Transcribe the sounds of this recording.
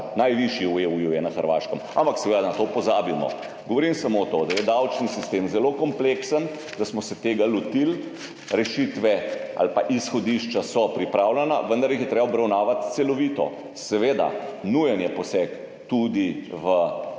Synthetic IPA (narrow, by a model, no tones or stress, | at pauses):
najʋiʃiueujujɛnaxəɾʋaːʃkəma̰mpaksɛʋed̪anat̪opɔzaːbimɔ̰ | ɡɔʋɔɾimsamot̪od̪ajɛd̪awt͡ʃnisist̪eːmzɛlokɔmpleksən | d̪asmɔsɛt̪eːɡalɔt̪il | ɾɛʃit̪ʋɛa̰lpa̰ʔisxɔd̪iʃt͡ʃasɔpɾipɾaːwlɛna̰ʋənd̪ɐɾjixjɛt̪ɾebaɔbɾawnaːʋat̪t̪sɛlɔʋit̪ɔ̰ | sɛʋeːd̪a̰nujɛnjɛpɔsɛk | t̪ud̪iʋə